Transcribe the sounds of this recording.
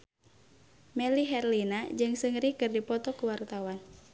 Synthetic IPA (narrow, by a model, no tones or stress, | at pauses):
mɛliɦɛrlinad͡ʒɨŋsɨŋɾikɨrdipɔt̪ɔkuwart̪awan